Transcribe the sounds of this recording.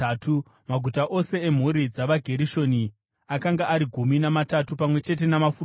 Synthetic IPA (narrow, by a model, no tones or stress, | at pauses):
tu | maɡʱutaʔo̞se̞em̤uɾid͡zaʋaɡʱe̞ɾiʃo̞ni | akaŋɡaʔːɾiɡʱuminamatatupamwe̞t͡ʃe̞t̬e̞namafur